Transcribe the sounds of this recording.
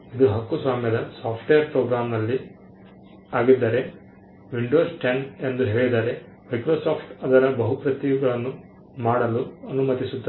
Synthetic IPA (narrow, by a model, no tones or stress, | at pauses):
id̪uɦɐkːusʋaːmjɐd̪ɐsaːpʰʈejɐɾpɾoːɡɾaːmnɐlːi | aːɡid̪ːaːɾe̞ | ʋiɳɖoːsʈenend̪uɦe̞ːɭid̪aːɾe̞ | mɐjkɾoːsaːpʰʈɐd̪ɐɾɐbɐɦupɾɐt̪iɡɐɭɐnːu | maːɽɐluɐnumɐt̪isut̪ːɐ